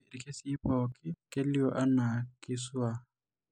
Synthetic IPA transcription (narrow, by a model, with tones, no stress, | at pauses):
e˨ɾi˨kʼe˦si˦pɔ˨kɪ˦ke˦li˦ɔ˦ʔa˦na˨kɪ˦swa˦